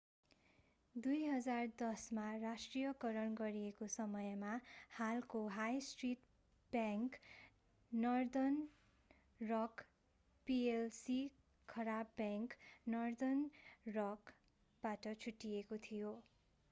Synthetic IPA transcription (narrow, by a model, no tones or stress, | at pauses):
d̪ujɦʌd͡zard̪ʌsmarasʈrijʌkʌɾʌnɡʌɾijekosʌmʌjmahalkoɦajsʈriʈ | bjãŋkː | ʌrd̪ʌn | rʌk | pielsi | kʰʌɾabːjãŋknʌrd̪ʌnrʌk | b̥aʈʌt͡sʰuʈːijekot̪ʰijo